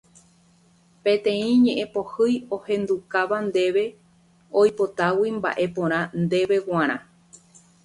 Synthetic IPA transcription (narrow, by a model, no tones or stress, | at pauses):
pẽ̞t̪ẽ̞ĩɲẽ̞ʔẽpo̞hɨjohẽ̞nd̪ukaʋand̪e̞ʋe̞ | o̞jpo̞t̪awimba̰ʔe̞põ̞ɾ̃ãnd̪e̞ʋe̞wãɾ̃ã